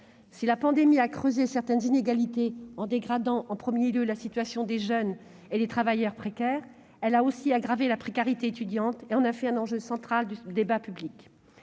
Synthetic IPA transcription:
silapɑ̃d̪emiakχøzesɛʁt̪ɛnzineɡalit̪eɑ̃d̪eɡʁad̪ɑ̃ʔɑ̃pχəmjeljølasit̪ɥasjɔ̃d̪eʒœn | ed̪et̪χavajœʁpχekʲɛːʁ | ɛlaosiaɡʁavelapχekaʁit̪eet̪yd̪jɑ̃t̪eɑ̃nafɛɛ̃nɑ̃ʒøsɑ̃t̪χald̪yd̪ebapyblik

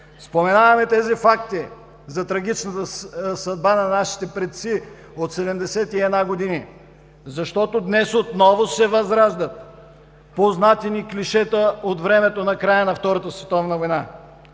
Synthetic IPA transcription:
spomɛnavɐmɛt̪ɛzifakt̪i | zɐt̪ɾɐɡ̟ʲit͡ʃnət̪əsɐd̪̚banɐnaʃi̥t̪ɛpɾɛt̪si | ot̪sɛd̪ɛmd̪ɛsɛt̪iɛd̪naɡod̪ini | zɐʃt̪ɔt̪od̪nɛsot̪nɔvosɛvɐzɾaʒd̪ət̪ | poznat̪ɛnikliʃɛt̪əot̪vɾɛmɛt̪onɐkɾajənɐft̪ɔɾɐt̪əsvɛt̪ɔvnəvojna

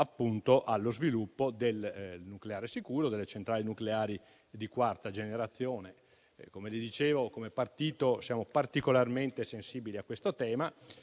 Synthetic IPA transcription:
apːunt̪oʔalːozvilupːod̪elnukleaːɾesikuːɾod̪elːet͡ʃent̪ɾaːlinukleaːɾi | d̪ikwart̪ad͡ʒeneɾat̪sːjoːne | komelid̪it͡ʃeːvokomepart̪iːt̪osjaːmopart̪ikolarment̪esensiːbiliakːwest̪ot̪ɛːma

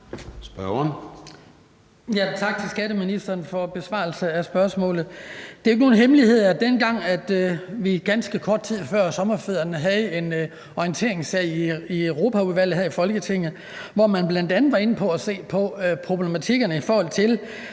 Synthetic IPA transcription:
sb̥ɶn | jæt͡sʰɑ̈ɡ̥̚t͡sʰe̝lsɡ̥æɾəminisd̥ɐːnfɒ̽b̥e̝sʋɑ̰̈ːlsəæsb̥ɶɐsmɔ̰̽ːlð̩ˠd̥e̝ɐe̝ɡ̥no̝ːnɦemlihe̝ð̞̰ˠæd̥enɡ̥ɑ̈ŋ̰æd̥ʋiɡ̥ænsɡ̥əkʰɒːd̥̚t͡sʰið̰ˠfɶɐ̰sɒ̽mɐfeð̰ˠɐnəɦæð̩ˠe̝n | ɒiənt͡sʰe̝̰ɐ̰e̝ŋsɛɪ̰iøʊʁo̝ːpʰæuʋæl̰ð̩ˠhæifɒ̽lɡ̥ət͡sʰe̝ŋ̰ð̩ˠ | ʋɒmænb̥læn̰d̥ænð̩ˠʋɑ̈e̝n̩pʰɒ̽æse̝̰ːpʰɒ̽pʰʁo̝b̥le̝mæt͡sʰiɡ̥ɐnəifɒːhɒ̽l̰t͡sʰe̝l

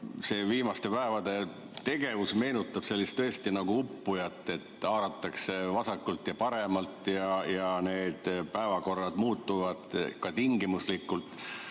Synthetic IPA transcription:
se̞ːviːmɑst̪e̞pæevɑd̪̥e̞ | t̪e̞ɡe̞vusme̞ːnut̪ːˑɑb̥se̞lʲːist̪t̪ɤest̪inɑɡ̥uupːujɑt̪ːˑe̞t̪ːɑːɾɑt̪ːˑɑksevɑsɑkːult̪jɑpɑɾe̞mɑlt̪ˑjɑjɑne̞ːd̪̥pæevɑko̞rːɑd̪̥muːt̪ːuvɑd̪̥kɑt̪iŋɡimuslikːˑult̪ːˑ

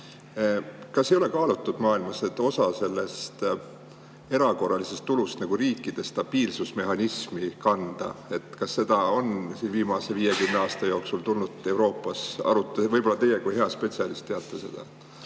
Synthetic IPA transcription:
kɑsːe̞jo̞le̞kɑːlut̪ːˑud̪̥mɑːilmɑse̞t̪ːˑo̞sɑse̞lːe̞st̪ | e̞ɾɑko̞rːɑlise̞st̪ːulust̪nɑɡ̥uɾiːkːˑid̪̥e̞st̪ɑb̥iːlsusme̞ɦɑnismikɑnd̪̥ɑ̰e̞t̪ˑkɑsːe̞d̪̥ɑo̞nsiːnviːmɑse̞viːje̞kymneɑːst̪ɑjo̞ːksult̪ulnud̪e̞wɾo̞ːpːˑɑsɑ̰ɾut̪ːˑevɤjb̥o̞lːɑt̪e̞jekujɦe̞ɑspe̞t̪ʲsiɑlist̪t̪ːeɑt̪ːˑese̞d̪̥ɑ̰

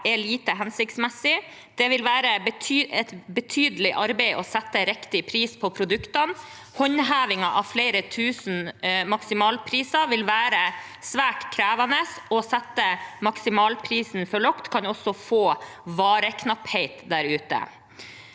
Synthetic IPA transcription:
ɛɭiːt̪əɦɛnsɪk̚t̪smɛsɪ | d̪̥ɛʋɪlʋæːɾəbət̪ʰyːɛt̪bət̪ʰyːd̪əlɪʔɑɾbɛɪʔɔsɛt̪ːəɾɛkt̪ɪpʰɾiːspʰɔpʰɾʊd̪ʉkt̪ɑn | hɔɲɦæːʋɪŋɑʔɑʋfleɪɾət̪ʰʉːsn̩mɑksɪmɑːlpʰɾiːsɑʋɪlʋæːɾə | sʋæːʈkʰɾæːʋɑnəsɔsɛt̪ːəmɑksɪmɑːlpʰɾiːsn̩fɔɭɔkt̪kʰɑnɔsɔfoːʋɑːɾəkʰnɑpheɪt̪d̪æɾʉːt̪ə̰

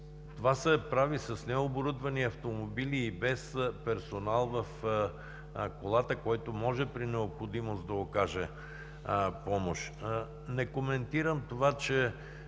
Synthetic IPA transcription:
t̪ovasɛpɾavisɐsnɛoboɾud̪vɐniɐft̪omobiliːbɛspɛɾsonalˠvɐf | kolˠat̪əkɔjt̪omɔʒɛpɾinɛopxod̪imosd̪ɐokaʒɛ | pɔmoʃ | nɛkomɛnt̪iɾəmt̪ovat͡ʃɛ

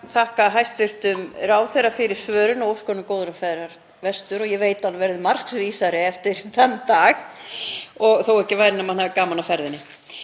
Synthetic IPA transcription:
θahkaɦajst̪vɪr̥t̪ʏmraːwθɛrafɪɾɪɾ̥svœːɾʏnɔowskɔnʏkoːwðɾafaːjðɾaɾ̥ | vɛst̪ʏɾɔjɛveːjt̪anavɛɾðʏmar̥ksviːsaɾɪɛft̪ɪɾ̥θanːt̪aːɣ | ɔɣθowɛhcɪvaːjɾɪnamanavkaːmanafɛɾðɪnːɪ

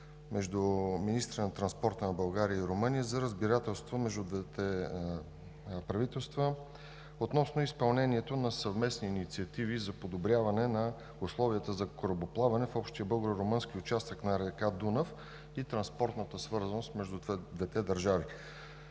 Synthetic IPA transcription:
mɛʒd̪uminist̪ɾənɐt̪ɾɐnspɔɾt̪ənɐbɐlˠɡaɾijəiɾomɤnijəzɐɾəzbiɾat̪ɛlˠst̪vomɛʒd̪ud̪vɛt̪ɛ | pɾɐvit̪ɛlˠst̪və | ot̪nɔsnoispɐlˠnɛnʲiɛt̪onɐsɐvmɛsniːnit̪siɐt̪ivizɐpod̪obɾʲjavɐnɛnɐ | ʊslˠɔviət̪əzɐkoɾoboplˠavɐnɛfɔpʃt̪iəbɤlˠɡoɾoɾomɤnskiʊt͡ʃast̪əknɐɾɛkad̪unəf | it̪ɾɐnspɔɾt̪nət̪əsvɤɾzɐnost̪mɛʒd̪uvɛd̪vɛt̪ɛd̪ɐɾʒavi

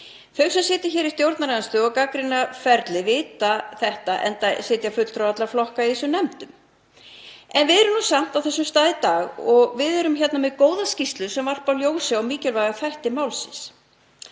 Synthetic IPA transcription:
fœɥksɛmsɪːt̪ɪçɛːɾist̪jowɾt̪naɾanst̪ʏɔɣkakɾɪnafɛɾt̪lɪvɪːt̪aθɛht̪aʔɛ̰nt̪asɪːt̪jafʏt̪l̥t̪ɾowvat̪laflɔhkaiðiːsʏnɛmt̪ʏm | ɛnvɪðɛɾʏmnuːsam̥t̪awθɛsːʏmst̪aːðɪt̪aːɣɔɣvɪðɛɾʏmçɛt̪namɛðkoːwðascist̪lʏsɛmvar̥pawljoːwsɪawmiːcɛlvajɣafajht̪ɪmaːwlsɪ̰ns

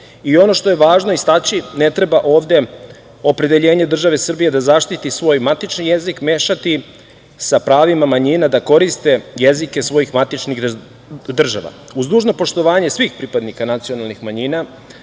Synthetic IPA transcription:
io̞no̞ʃt̪o̞je̞ʋaːʒno̞ist̪at͡ɕine̞t̪ɾe̞baʔo̞ːʋd̪e̞ | o̞pɾe̞d̪e̞ʎe̞ːɲe̞d̪r̩ʒaʋe̞sr̩bije̞d̪azaʃt̪it̪isʋo̞ːjmat̪it͡ʃnijezikme̞ːʃat̪i | sapɾaːʋimamaɲinad̪ako̞ɾist̪e̞jezike̞sʋo̞jixmat̪it͡ʃniɣ | d̪r̩ʒa̰ʋa̰uzd̪uːʒno̞po̞ʂt̪o̞ʋaːɲe̞sʋiːxpɾipad̪nikanat̪sio̞nalˠnixmaɲiːna

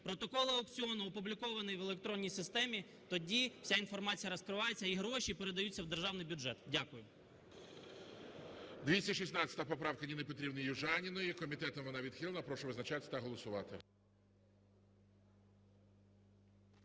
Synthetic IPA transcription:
pɾɔt̪ɔkɔlˠɐɐk̚t͡sʲiɔnʊɔpʊblʲikɔʋɐnɪjʋelˠek̚t̪ɾɔnʲːijsɪst̪ɛmʲi | t̪ɔdʲiw̥sʲainfɔrmɑt͡sʲijɐɾɔskɾɪʋɑjet͡sʲːɐiɦɾɔʃipeɾed̪ɐjut͡sʲːɐwd̪erʒɑwnɪjbʲʊdʒɛt̪dʲakʊjʊ | d̪ʋʲisʲɐʃ̬isnɑt͡sʲɐ̥t̪ɐɐpɔpɾɑwkɐnʲinepɔt̪ɾʲibnijʊʒɑnʲɪnɔjikɔmʲit̪ɛt̪ɔmʋɔnɑʋʲid̪xʲilˠɐnɐpɾɔʃɔʋɪznɐt͡ʃat̪ʲɪt̪ɐɦɔlˠɔsʊʋɑ̰t̪ɪ̰

